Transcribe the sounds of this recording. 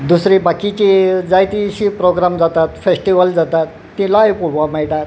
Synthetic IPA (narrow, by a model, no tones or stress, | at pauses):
d̪usɾibakit͡ɕid͡zajt̪iɕipɾoɡɾamd͡zat̪at̪fesʈiʋəld͡zat̪at̪ːĩlajpuɽʋamajʈat̪